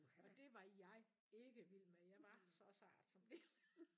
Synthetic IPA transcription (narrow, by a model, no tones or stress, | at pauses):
ɒ̽d̥e̝ʋɑ̈jɑ̈ɪ | e̝ɡ̥əʋilmejɑ̈ɪʋɑ̈sɒ̽sɑ̰̈ːd̥sɒ̽md̥el